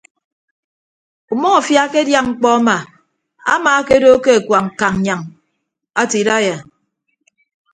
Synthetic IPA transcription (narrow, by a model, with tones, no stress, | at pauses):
u˨mɔ˦ŋa˨fja˦ke˦dja˦ŋŋ͡m̩˨k͡pɔ˦a˦ma˨ | a̰˦ma˨˦ke˦do˦ke˦a˨kwa˨ŋ̩˨ka˨ŋ˨ɲa˨ŋ | a˦ti˨ɾa˦ja˨